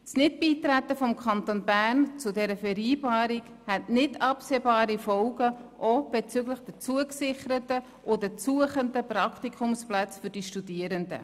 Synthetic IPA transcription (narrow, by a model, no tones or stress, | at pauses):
snɪt̚b̥iːtɾætːəfɔmkʰɑnt̪onbærnt͡sʊdɛɾəfɛɾiːbɑːɾik | hɛtnɪtʰɑpseːbɑːɾifɔlɡəʔob̥ɛt͡sʏɡləχd̥ət͡suəksɪχəɾətə | ʔodət͡suəχəndəprɑktikʰʊmsplæt͡sfʏd̥iʃtud̥iəɾəndə̰